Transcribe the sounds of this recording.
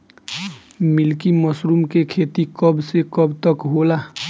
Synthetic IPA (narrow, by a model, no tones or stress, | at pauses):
milkimʌsɾumkekʰet̪ikʌbsekʌbt̪ʌkɦola